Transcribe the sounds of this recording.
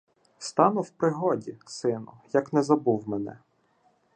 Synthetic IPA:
st̪ɑnʊwpɾɪɦɔdʲisɪnʊ̰jɐknɛzɐbuwmɛnɛ̰

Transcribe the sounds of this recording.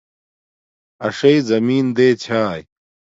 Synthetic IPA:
ɐʂɐizɐmiːnd̪eːt͡ɕʰaːj

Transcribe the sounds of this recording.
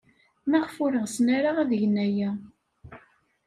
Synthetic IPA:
mæʁfʊɾəʁsnaɾaʁæðəʝənæjæ

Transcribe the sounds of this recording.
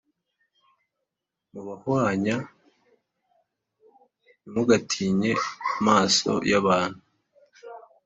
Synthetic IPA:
muβahwaːɲa | nimuɡatʰiːɲe̞amaːso̰jaβaːn̥hu

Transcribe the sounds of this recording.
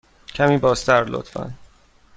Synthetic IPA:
cʰæmiːbɒːst̪ʰæɾlo̰t̪fæ̰n

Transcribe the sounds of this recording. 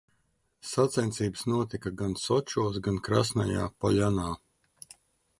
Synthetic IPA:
sat̪sɛnt̪siːbsnuɔt̪ikaɡansɔt͡ʃuɔs̬ɡankɾa̰snaja̰ːpɔʎanaː

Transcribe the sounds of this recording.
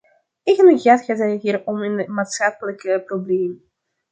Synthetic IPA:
eɣənəχaːtχaːtəɦiːɾɔmənəmaːtsχɑpələkəprobleːmə

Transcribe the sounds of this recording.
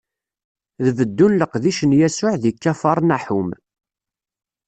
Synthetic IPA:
ðvəd̪ːunləqðiʃənjæsʊʕðikːæfɑɾˤnæħʊm

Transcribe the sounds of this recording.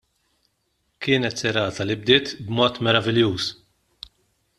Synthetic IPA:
kɪːnɛt̪sɛɾɐːt̪ɐlɪb̚d̪ɪːt̪bmɔːt̪mɛɾɐvɪljuːs

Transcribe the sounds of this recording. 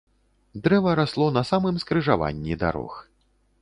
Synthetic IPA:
d̪ɾɛvɐɾaslˠɔnɐsamɨmskɾɨʐava̰nʲːid̪a̰ɾɔ̰x

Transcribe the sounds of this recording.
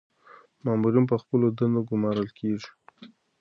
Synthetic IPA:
mɑmuɾinp̬əxpəlod̪and̪oɡʊmɑɾəlkʰeʐi̥

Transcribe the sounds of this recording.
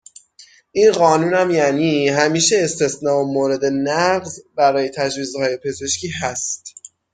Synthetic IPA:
ʔinɢɒːnuːnæmjæniːɦæmiːʃeːst̪e̞snɒːomoːɾe̞d̪e̞næɢzbæɾɒːje̞t̪ʰæd͡ʒviːzhɒːje̞pʰe̞ze̞ʃcʰiːɦæst̪

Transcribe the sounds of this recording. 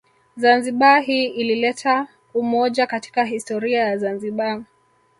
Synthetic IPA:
zanziɓaɦiːʔililɛtʰa | umɔʄakati̥kaɦistɔɾiajazanziɓa

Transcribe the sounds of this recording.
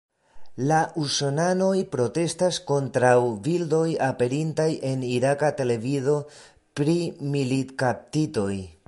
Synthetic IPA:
laʔusonano̞jpɾo̞te̞stasko̞ntɾawvildo̞jape̞ɾintajʔe̞niɾakate̞le̞vizo̞ | pɾimilitkap̚tito̞j

